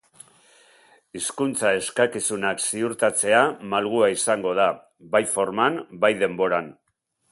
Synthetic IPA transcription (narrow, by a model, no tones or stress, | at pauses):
iskunt͡sae̞skakisunaksiuɾt̪at͡se̞amalɣ̞uaisaŋɡo̞ð̞a | βajfo̞ɾmanbajðe̞mbo̞ɾan